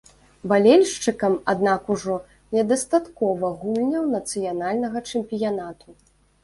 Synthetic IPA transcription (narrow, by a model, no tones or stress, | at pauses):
balʲɛlʲʂt͡ʂɨkɐmad̪nakuʐɔ | nʲɛd̪ɐst̪at̪kɔvɐɣumlʲnʲɐwnɐt̪sɨjanalʲnɐɣɐt͡ʂɨmpʲijanat̪u